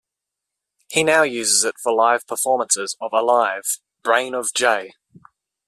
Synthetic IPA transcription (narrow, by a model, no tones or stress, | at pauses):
hinaʊjʉːzɪzɪtfəlaɪv̥pʰəfɔːmə̃nsɪzəvəlaɪv̥ | b̥ɹẽɪ̃nəvd͡ʒɛɪ